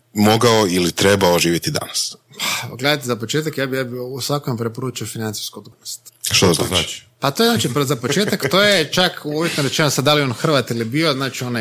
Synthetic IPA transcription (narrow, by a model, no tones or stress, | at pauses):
moɡaoilit̪ɾebaoʒiːʋjet̪id̪a̰naspḁɡle̞d̪ajt̪ezapo̞t͡ʃet̪̬akjaːbijaːbiusʋakompɾe̞po̞ɾuːt͡ʃiofinant̪si̥skuod̪ɡunost̪ʃt̪ozna̰ːt͡ʃa̰t͡ʃpat̪ojeznaːt͡ʃipzapot͡ʃe̞ːt̪akt̪oːjet͡ʃakuʋjet̪noɾe̞t͡ʃenosad̪alionxr̩ʋat̪ilibio̞znaːt͡ʃiona